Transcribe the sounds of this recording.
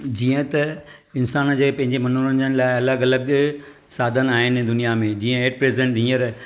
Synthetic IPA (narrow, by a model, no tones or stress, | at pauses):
d͡ʑiːə̃t̪ɐɪnsaːnd͡ʑeːpɐ̃ɦɪ̃ɲd͡ʑemɐnuːɾənənɪ̆laːɪɐləɡɐləɡ | saːd̪ʱənaːɦɪnd̪ʊnijamẽd͡ʑiːə̃eːʈ̚pɾeːzɪẽɳʈĩːəɾ